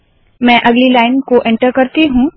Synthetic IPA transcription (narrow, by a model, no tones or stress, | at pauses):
mɛ̃ʔɐɡlilaːɪnkoʔẽɳʈəɾkɐɾt̪iɦũː